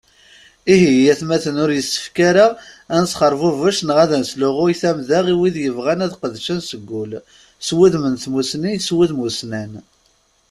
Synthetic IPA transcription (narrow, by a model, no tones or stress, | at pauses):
iɦijæθmæθənʊɾjəsːə̥fkaɾaænsχəɾˤvʊvəʃnʁaðænslʊʁʊjθæmðaʁiwiðjəvʁænæðqəðʃænsəɡʷːʊl | swuðmənθmusnijswiðmusnæn